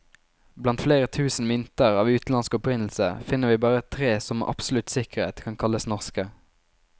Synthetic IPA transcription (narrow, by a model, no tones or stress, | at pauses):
blɑnt̪fleːʁət̪ʰʉːsn̩mʏnt̪əʁɑːʋʉːt̪n̩ɑnskɔpʁɪnl̩sə̰fɪnəʋiːbɑːʁət̪ʰʁeːsɔm̰ʔɑ̰pslʉt̪sɪkəʁḛːt̪kʰɑŋkʰɑləsnɔʁskə